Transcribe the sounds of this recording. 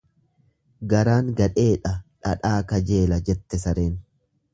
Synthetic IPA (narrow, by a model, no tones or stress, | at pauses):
ɡɐɾaːŋɡɐᶑe̞ːᶑɐᶑɐ̰ᶑaːkɐd͡ʒe̞ːlɐd͡ʒɛt̪ːɛsɐɾe̞ːn